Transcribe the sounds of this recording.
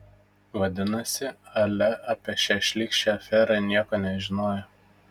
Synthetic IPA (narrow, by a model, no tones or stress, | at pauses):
ʋɐd̪ʲɪnɐsʲɪɐlʲɛʔɐːpʲiɛʃʲæʃʲlʲiːkʃʲɛɐfʲɛɾɐnʲiɛkoːnʲɛʒʲɪnoːjɛ